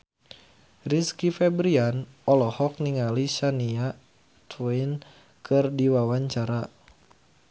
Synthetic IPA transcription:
riskifɛbɾianɔlɔhɔk̚niŋaliʃania | t̪ʰwɛin | kʰɨrdiwawaɲt͡ʃaɾa

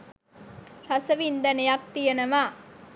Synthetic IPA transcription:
rɐsəʋind̪ɐnejak̚t̪ijɐnɐʋa

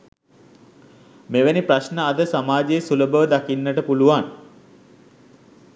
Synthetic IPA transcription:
meʋenipraʃnəad̪əsamaːd͡ʒejsuləbəʋəd̪akinːəʈəpuluʋan

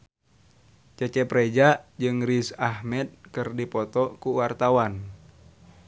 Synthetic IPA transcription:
t͡ʃɛt͡ʃɛpɾɛd͡ʒaʔd͡ʒɨŋɾisahmɛd̪̚kɨrdipɔt̪ɔkuwart̪awan

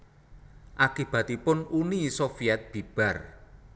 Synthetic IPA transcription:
ʔakib̥ä̤t̪ipʊnunisofiat̪̚b̥i̤b̥a̤r

